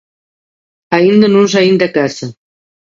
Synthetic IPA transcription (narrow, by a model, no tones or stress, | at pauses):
aind̪ənunʒaind̪akasa